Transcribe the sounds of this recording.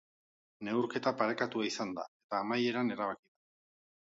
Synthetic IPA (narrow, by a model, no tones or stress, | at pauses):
ne̞uwɾke̞t̪apaɾe̞kat̪uaisand̪a̰e̞t̪aːmaje̞ɾane̞ɾaβ̞akiðu